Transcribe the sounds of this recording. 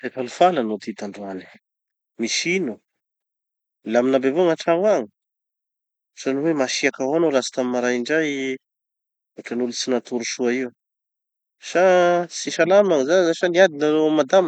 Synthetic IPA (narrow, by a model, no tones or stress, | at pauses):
t̪efalufalanot̪it̪aɳɖ͡ʐuani̥ | miʃinu | laminabevomaʈ͡ʂauaŋi | sanuwemaʃiakaɦoanolasi̥t̪amimaɾajiɳɖ͡ʐaj | uʈ͡ʂanulut͡sinat̪uɾuʃuaiw | ʃasiʃalamaŋzazaʃaniad̪inaomad̪am